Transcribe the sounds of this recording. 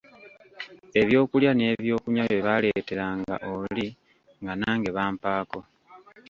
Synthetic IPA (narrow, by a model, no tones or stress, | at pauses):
e̞βjo̞ːkuljane̞ːβjo̞ːkuɲaβeβale̞te̞ɾaŋɡa̰ʔoli | ŋɡanaːŋɡe̞βaːmpaːko̞